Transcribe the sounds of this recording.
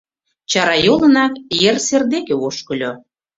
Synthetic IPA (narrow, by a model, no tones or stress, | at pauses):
t͡ɕɑɾɑjolə̆nɑkjerserd̪ekeoʃkə̆lʲo